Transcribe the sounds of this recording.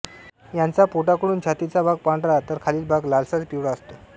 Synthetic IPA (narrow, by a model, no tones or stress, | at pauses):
jant͡sapoʈakəɽ̃uːnd͡ʑʰʱjat̪it͡sabʱaɡ̚pãɳɖɾat̪əɾkʰaliːlbʱaɡlalsat͡spiʋɽaəst̪o